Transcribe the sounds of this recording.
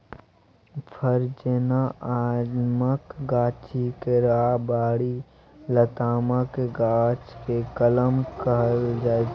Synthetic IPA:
pʰəɾd͡ʒenaaːdməkɡaːt͡ʃikeɾaːbaːɽi | lət̪aːməkeɡaːt͡ʃkekələmkəɾd͡ʒaː

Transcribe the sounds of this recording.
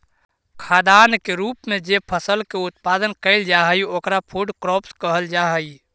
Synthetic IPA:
kʰad̪ankeɾupmed͡ʒepʰəsəlkeut̪pad̪ənkəɪld͡ʒaɦəjokɾapʰuɖkɾɔpskəɦəld͡ʒaɦəj

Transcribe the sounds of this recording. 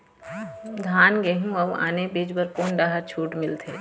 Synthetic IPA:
d̪ʱaːnɡeɦũɐba̰ːnebeːd͡ʒbəɾkoːnɖaːɦəɾt͡ʃʰuːʈmɪlt̪ʰeː

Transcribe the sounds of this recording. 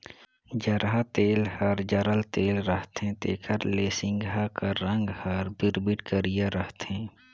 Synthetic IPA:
d͡ʒəɾɦat̪eːlhəɾd͡ʒəɾəlt̪eːlɾəɦt̪ẽt̪ḛːkʰəɾleːsɪ̃ŋɡakaɾə̃ŋɡhəɾbɪɾbɪʈkəɾijaɾəɦt̪ẽː

